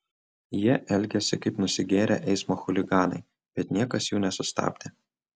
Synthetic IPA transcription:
jiɛʔɛlʲɡʲɛsʲɪkɐɪpnʊsʲɪɡʲeːɾʲɛ̰ːʔɛɪsmoːxʊlʲɪɡɑːnɐ̰ɪ | b̥ʲɛt̪nʲiɛkɐsjuːnʲɛsʊst̪ɑ̰ːbʲd̪ʲe

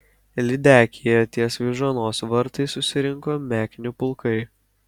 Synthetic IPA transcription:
lʲɪd̪ʲæːkʲɪjɛt̪ʲiɛsʋʲɪʒɐnoːsʋɐɾt̪ɐɪsʊsʲɪɾʲɪŋkoːmʲæːkʲɪnʲupʊlˠkɐɪ

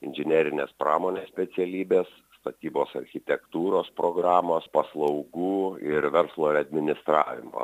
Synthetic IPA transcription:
ɪnʲʒʲɪnʲɛɾʲɪnʲeːspɾɑ̰ːmoːnʲesʲsʲpʲɛt̪sʲɛlʲiːbʲeːs | st̪ɐt̪ʲiːboːsɐ̰ɾʲxʲɪt̪ʲɛkt̪uːɾoːspɾoːɡɾɑːmoːspɐslˠɐʊɡuːɪɾʋʲɛɾslˠoːɪɾɐd̪ʲmʲɪnʲɪst̪ɾɑːʋʲɪ̰mo̰

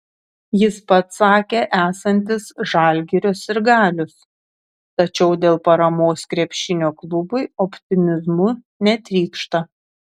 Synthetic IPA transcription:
jɪspɐt̪sɑːkʲeːʔæːsɐnʲt̪ʲɪsʒɑːˑlʲɡʲɪɾʲosɪɾɡɑːlʲʊs | t̪ɐt͡ʃʲɛʊd̪ʲeːlˠpɐɾɐmoːskɾʲɛpʲʃʲɪnʲoːklˠʊbʊɪɔpʲt̪ʲɪmʲɪzmʊ | nʲɛt̪ʲɾʲiːkʃt̪ɐ

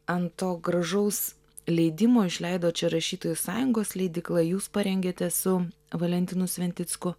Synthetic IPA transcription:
ɐnt̪oːɡɾɐʒɐʊs | lʲɛɪd̪ʲɪmoːɪʃʲlʲɛɪd̪oːt͡ʃʲɛɾɐʃʲiːt̪oːjʊsɑːjʊŋɡoːslʲɛɪd̪ʲɪklˠɐjuːspɐɾʲɛŋʲɡʲeːt̪ʲɛsʊʋɐlʲɛnʲt̪ʲɪnʊsʲʋʲɛnʲt̪ʲɪt̪skʊ

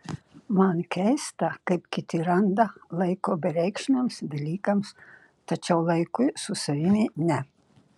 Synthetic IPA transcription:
mankʲɛjst̪akapkʲit̪ʲiɾand̪alˠɛjkoːbʲɛɾʲɛjkʃnʲamsb̪ʲɛlʲiːkams | t̪at͡ʃawlˠɛjkujsusɐʋʲimʲinʲɛ

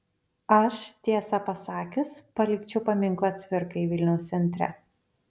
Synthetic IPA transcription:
ɐʃt̪ʲiːsɐpɐsɑːkʲʊspɐlʲɪkt͡ʃʲɛʊpɐmʲɪŋklˠɐt̪sʲʋʲɪɾkɐiʋʲɪlʲnʲɛʊst̪ʲɛnʲt̪ʲɾʲɛ̰

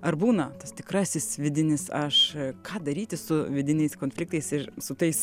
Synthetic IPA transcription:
ɐrbuːnɐt̪ɐst̪ʲɪkɾɑːsʲɪsʋʲɪd̪ʲɪnʲɪsɐʃkɑːd̪ɐɾʲiːt̪ʲɪsʊʋʲɪd̪ʲɪnʲɛɪskoːnʲfʲlʲɪk̚t̪ɐɪsɪrsʊt̪ɐɪs

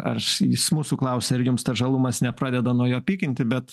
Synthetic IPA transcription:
ɐ̰rjɪsmuːsuːklˠɐʊsʲeːɪɾjʊmst̪ɐʒɐlˠumɐsnʲɛpɾɑːd̪ʲɛd̪ɐnuɔjoːpʲiːkʲɪnʲt̪ʲɪbʲɛt̪

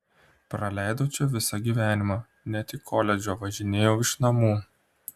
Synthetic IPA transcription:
pɾɐlʲæˑɪd̪oːt͡ʃʲɛʋʲɪsɐɡʲiːʋʲæːnʲɪmɑː | nʲɛt̪ʲɪkʰːoːlʲɛd͡ʒʲoːʋɐʒʲɪnʲeːjoːɪʃnɐmuː

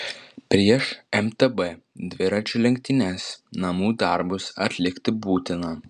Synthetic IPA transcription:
pʲɾʲiɛʃɛmt̪ɛbɛd̪ʲʋʲɪɾɐt͡ʃʲʊlʲɛŋʲk̚ʲt̪ʲɪnʲɛːsnɐmuːd̪ɐɾbʊsɐ̰t̪ʲlʲɪkʲt̪ʲɪbuːt̪ʲɪnɐ

